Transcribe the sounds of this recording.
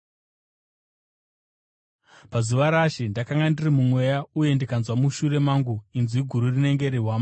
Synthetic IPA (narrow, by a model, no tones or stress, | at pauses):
pazuʋaɾaʃindakaŋɡandirimumwe̞jauje̞ndikanzwamuʃuɾe̞maŋɡuinzwiɡʱuɾurine̞ŋɡe̞ɾeɦwaːma